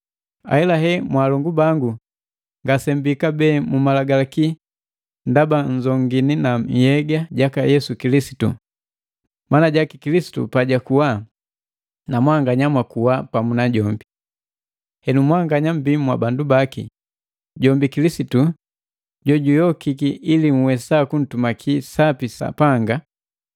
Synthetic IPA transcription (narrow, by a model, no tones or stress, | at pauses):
a̰ɛlaɦɛmwalɔŋɡubaŋɡu | ŋɡasɛmbikabɛːmumalaɡalaki | ndabaɲd͡ʒɔŋɡininaɲ̩hɛɡaɟakajɛsukilisi̥tṵ | manaɟakikilisi̥tṵpaɟakuwa | namwaŋɡaɲamwakuwapamunaɟɔmbi | hɛnumwaŋɡaɲam̩bimwa̰bandubakḭ | ɟɔmbikilisitu | ɟɔɟujɔkikiʔilimuwɛsakun̩tumakʰisapisa̰paŋɡa